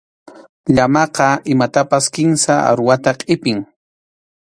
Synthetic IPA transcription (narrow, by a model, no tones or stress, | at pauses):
ʎamɑqɑɪmat̪apaskɪnsaa̰ɾwat̪aqʼɪpɪŋ